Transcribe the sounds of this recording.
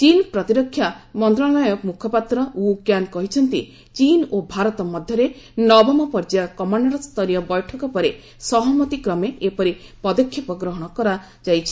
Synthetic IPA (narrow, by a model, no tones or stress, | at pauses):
t͡ʃinpɾɔt̪iɾɔkʰːjamɔnt̪ɾalɔjɔkmukʰːɔpat̪ɾɔukjankɔɦit͡ʃʰɔnt̪ḭ | t͡ʃinobʱaɾɔt̪ɔmɔd̪ʱjɔɾe | nɔbɔmɔpɔɾd͡ʒiakɔmaɳɖeɾɔst̪ʰɔɾijɔbɔjʈʰɔkɔpɔɾe | sɔɦɔmɔt̪ikɾɔmeepɔɾipɔd̪ɔkʰjipɔɡɾɔɦɔɽ̃ɔkɔɾa | d͡ʒajt͡ʃʰi̥